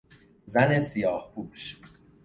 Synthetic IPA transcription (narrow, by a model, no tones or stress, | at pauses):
zæne̞sijɒːhpʰuːʃ